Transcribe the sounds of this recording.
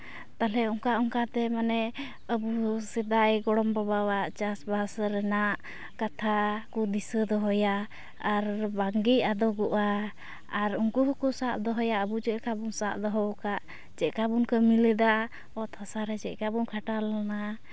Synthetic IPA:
t̪alɛɔŋkaʔɔŋkat̪ɛmanɛ | əbusɛd̪ajɡɔɽɔmbabawaʔt͡ʃasbasɾɛnaʔ | kat̪ʰakud̪isəd̪ɔɦɔjaː | ɾbaŋɡiʔad̪ɔɡɔʔaː | ɾuŋkuɦkusaʔd̪ɔɦɔjaʔəbud͡ʒɛʔkabunsaʔd̪ɔɦɔwkaʔ | t͡ʃɛʔkabunkəmilɛd̪a | ɔt̪ʰɔsaɾɛd͡ʒɛʔkabunkʰaʈalana

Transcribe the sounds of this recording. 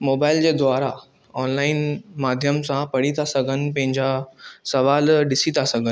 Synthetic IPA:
moːbaːɪld͡ʑed̪ʋaːɾa | ɔːnlaːɪnmaːd̪ʱjəmsãpɐɽit̪ʰasɐɡʱənɪ̆pɐ̃ɦɪ̃ɲd͡ʑasɐʋaːlɖɪsit̪ʰasɐɡʱən̆

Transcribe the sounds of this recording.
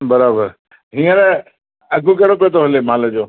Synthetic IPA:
bɐɾaːbəɾ | ɦĩːə̃ɾ | ɐɡʱukɐɦɽopiot̪ʰoɦɐlemaːləd͡ʑoː

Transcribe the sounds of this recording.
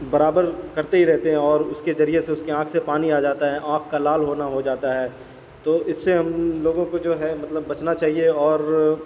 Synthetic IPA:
bɐɾaːbəɾkɐɾt̪eɦiɾɛɦt̪eɦɛ̃ɔːɾʊskezɐɾieseʊskeãːkʰsepaːniaːd͡ʒaːt̪aɦɛʔãːk̚ʰkalaːlɦoːnaɦod͡ʒaːt̪aɦɛː | t̪oːʔɪsːeɦɐmloːɡõkod͡ʒoːɦɛmɐt̪ləbːɐt͡ʃnat͡ʃaːɦieɔːɾ

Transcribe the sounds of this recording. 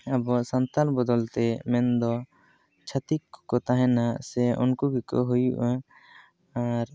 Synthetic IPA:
abɔsant̪albɔd̪ɔlt̪ɛmɛnd̪ɔ | t͡ʃʰat̪ikːɔkɔt̪aɦɛnaʔsɛṵnkuɡikɔ̰ʔɦujṵʔa | aɾ

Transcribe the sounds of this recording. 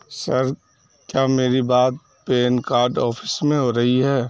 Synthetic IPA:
sɐɾ | kjaːmeːɾibaːt̪̚ | peːnkaːɾɖɔːpʰɪ̥smẽɦoɾɐɦiɦɛː

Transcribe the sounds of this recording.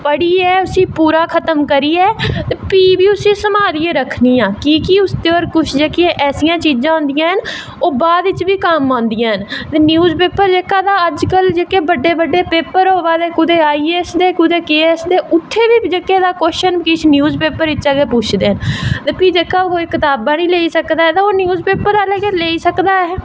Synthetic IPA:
pəɽiːɛːʊsĩːpuːɾaːkʰət̪əmkəɾiːɛːt̪eːpiːbiːʊsĩːsəmaːliːeːɾəkʰniːjãːkiːkiʊst̪eːoːɾkʊt͡ʃʰd͡ʒeːkɪẽʔɛːsijãːt͡ʃiːd͡ʒãːɦʊ̃ːnd̪ɪjãːɦən | oːbaːd̪ɪt͡ʃʋiːkamãːnd̪ɪjãːɦənt̪eːnjuːzpeːpəɾd͡ʒeːkaːd̪aːəd͡ʒkəld͡ʒeːkeːbəɖːeːbəɖːeːpeːpəɾoːʋaːd̪eːkʊd̪eːaːiːeːsd̪eːkʊd̪eːkeːɛːsd̪eːʊt̪ʰːeːʋiːd͡ʒekːeːd̪aːkoːʃənkit͡ʃʰnjuːzpeːpəɾɪt͡ʃaɡeːpʊːt͡ʃʰd̪eːɦənt̪eːpiːd͡ʒeːkaːʊɦoːekɪt̪aːbãːnĩːleːiːsəkd̪aːɦɛːt̪ãːoːnjuːzpeːpəɾələɡeleːiːsəkd̪aːɦɛː

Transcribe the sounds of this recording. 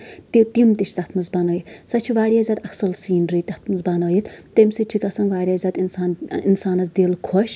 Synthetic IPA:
t̪it̪imt̪it͡ʃʰt̪ɐt̪ʰmɨzbanoːjit̪sɐt͡ʃʰiʋaːɾjaːzʲad̪ɐsɐlsiːnɾit̪ɐt̪ʰmɨzbanoːjit̪t̪emsiʈʰikɐsɐnʋaːɾʲjaːzʲad̪insaːninsaːnɐzd̪eːlkʰoʃ

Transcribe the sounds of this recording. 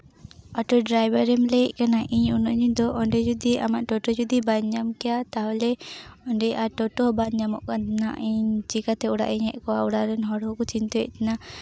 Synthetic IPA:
aʈɔɖɾajbaɾɛmlɛʔkanaʔiɲunɔʔɲiɲd̪ɔʔɔɳɖɛd͡ʒud̪iʔamaʔʈɔʈɔd͡ʒud̪ibaɲɲamkɛjat̪aɦɔlɛɔɳɖɛʔaʈɔʈɔɦɔbanɲamɔ̰ʔkant̪na̰ʔiɲt͡ʃikat̪ɛuɽa̰ʔiɲhɛʔkɔauɽaɾɛnɦɔɽɦɔkɔt͡ʃint̪ɔɛ̰ʔt̪ɛna

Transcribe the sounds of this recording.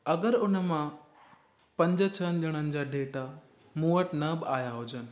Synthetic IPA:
ɐɡəɾʊnəmã | pɐ̃ɲd͡ʑət͡ɕʰənɪɗɐɽ̃ənɪ̆d͡ʑaːɖʱeːʈa | muːəʈnɐbɪaːjaɦʊd͡ʑənɪ̆

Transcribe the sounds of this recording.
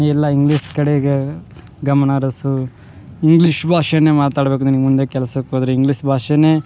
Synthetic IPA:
ɛlːɐiŋɡliʂkɐɽeɡe | ɡɐmɐnaɾɐsu | iŋɡliːʂbʱaːʂɐjɐneːmaːt̪aːɽbeːkud̪enimund̪ekɛlɐsɐbekod̪ɐɾeiŋɡliʂbʱaːʂɐneː

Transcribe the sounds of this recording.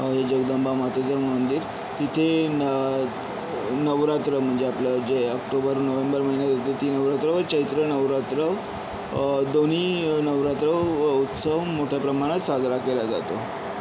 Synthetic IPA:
ɦed͡ʑəɡd̪əmbamat̪od͡zəɾmənd̪iːɾ | t̪it̪ʰe | nəʋɾat̪ɾəm̤əɳd͡zeapljad͡ʑeəkʈobəɾnəʋembəɾməɦinjat̪at̪it̪inəʋɾat̪ɾəʋəɾt͡ɕəit̪ɾənəʋɾat̪ɾə | d̪oniːnəʋɾat̪ɾəʋut̪səʋmoʈʰjapɾəmaɽ̃at̪sad͡z̪ʱɾakelad͡za̰t̪o

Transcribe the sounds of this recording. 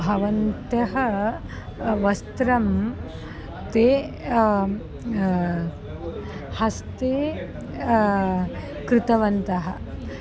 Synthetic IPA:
bʱɐʋɐnt̪jɐɦɐ | ʋɐst̪ɾɐm | t̪e | hɐst̪e | kɾɪt̪ɐʋɐnt̪ɐɦɐ̆

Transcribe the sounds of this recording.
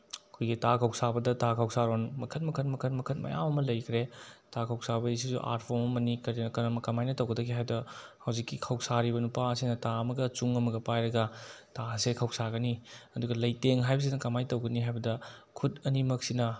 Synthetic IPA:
ɐkʰujɡitakʰɐwsabɐdɐtakʰawsaɾonmɐkʰɐtmɐkʰɐtmɐkʰɐnmɐkʰɐt̚mɐ̰ja̰mɐmɐlɐjkʰɾetakʰɐwsabɐis̬isṵʔa̰ɾt̚pʰomɐmɐnikɐɾinɐkɐɾɐmɐkɐmajnɐtɐwɡɐdɐɡiɦajdɐ | hɐwzikːikʰɐwsaɾibɐnupaɐsinɐtaɐmɐɡɐt͡ʃuŋɐmɐɡɐpajɾɐɡɐtasekʰɐwsaɡɐniɐduɡɐlɐjteŋɦajbɐs̬inɐkɐmajtɐwɡɐniɦajbɐdɐkʰutɐnimɐk̚sinɐ

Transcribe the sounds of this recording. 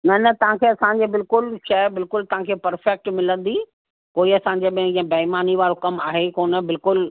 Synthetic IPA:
nɐnɐt̪ɐʋ̤ãkʰeːɐsãːɲ̆d͡ʑeːbɪlkʊlʃɐbɪlkʊlt̪ɐʋ̤ãkʰeːpɐɾfɛk̚ʈmɪlə̃nd̪iː | koːiɐsãɲ̆d͡ʑeɓɪ̃ɦɪ̃ĩɐ̃bɐɦɪmaːniʋaːɽokɐmaːɦekoːnə̆bɪlkʊl

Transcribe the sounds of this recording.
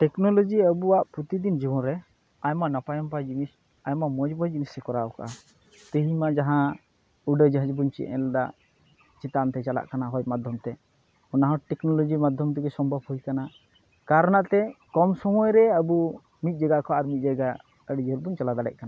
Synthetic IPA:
ʈɛknɔlɔd͡ʒiəbuwaʔpɾut̪id̪ind͡ʒibɔnɾɛ | ajmanapajɔmpajd͡ʒimis | ajmamɔd͡ʒbɔd͡ʒimisɛkɔɾaɔka̰ʔa | t̪əɦimad͡ʒaɦã | uɖəd͡ʒəɦəd͡ʒbunt͡ʃḭɛ̰ld̪a̰ʔ | t͡ʃit̪ant̪ɛt͡ʃala̰ʔkanaɦɔjmad̪ʱjɔmt̪ɛ | ɔnaɦɔ̃ʈɛknɔlɔd͡ʒimad̪ʱjɔmt̪ɛɡɛsɔmbʱabhujkana | kaɾanaʔt̪ɛkɔmsɔmɔjɾɛəbu | mit̪̚d͡ʒaɡaʔkɔaɾmit̪̚ˀd͡ʒaɡa | əɖd͡ʒɦəɾbunt͡ʃalad̪aɽɛ̰ʔ̚kana

